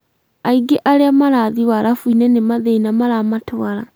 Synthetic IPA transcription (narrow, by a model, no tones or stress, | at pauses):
aiɡeʔaɾeamaɾaðiwaɾʔafuinɛnemaðeinamaɾamatwaɾa